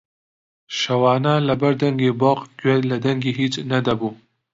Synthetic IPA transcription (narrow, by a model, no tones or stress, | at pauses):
ʃawɑːnalabaɾd̪aŋɡeboqɡwelad̪aŋɡeɦit͡ʃnad̪abu